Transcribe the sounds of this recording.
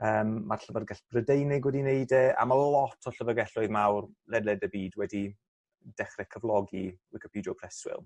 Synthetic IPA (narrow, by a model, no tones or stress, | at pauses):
əːmːarɬəvərɡaɬb̥rədejnɪɡwɛdinejdɛʔa̰malɔtʰɔɬəvəɡɛɬʊɨðmawrlɛdɛdəbiːdwɛdi | d̥ɛχrɛkʰəvlˠɔɡiɪkʰəpidiɔpʰr̥ɛswɪ̰lˠ